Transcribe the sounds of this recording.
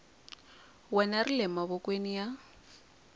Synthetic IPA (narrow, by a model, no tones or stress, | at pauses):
wɛnarilɛmaβɔkʼwenija